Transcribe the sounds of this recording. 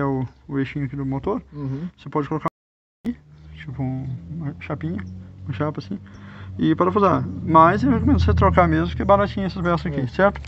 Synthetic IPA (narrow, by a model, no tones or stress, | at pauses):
ɛʊːeʃĩɲʊɐkid̪ʊmot̪oɾvosepɔd͡ʒɪkoloka | it͡ʃipʊũɐʃapĩɲʊũmɐʃapɐsĩɪpaɾɐfuzamɐzewhekomẽnd̪ʊset̪ɾokamezmʊkɛbaɾat͡ʃĩɲɐ̃ɛsɐspɛsɐzɐkisɛɾt̪ʊ̥